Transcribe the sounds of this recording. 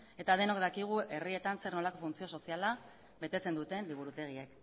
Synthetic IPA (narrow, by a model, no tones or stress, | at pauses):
e̞t̪að̞e̞no̞kd̪akiɣ̞uʔe̞rie̞t̪anse̞ɾno̞lako̞funt͡sio̞so̞siala | βe̞t̪e̞t͡se̞nd̪ut̪e̞nliβ̞uɾut̪e̞ɣ̞ie̞k